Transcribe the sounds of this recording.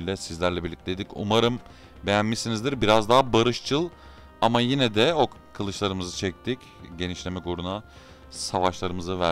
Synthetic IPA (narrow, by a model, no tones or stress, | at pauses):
lʲd̪ʲɛsizlʲæɾlʲɛbiɾlʲic̚t̪ʰeid̪icṵmaɾɯm | bejæmːisinizd̪iɾbiɾazd̪aɦbaɾɯʃt͡ʃʰɯlˠ | amajinɛd̪ɛokʰalˠɯʃlˠaɾɯmɯzɯt͡ʃʰɛc̚t̪ʰic | ɟe̞niʃlʲe̞mɛkoɾuna | savaʃlˠaɾɯmɯzɯvæ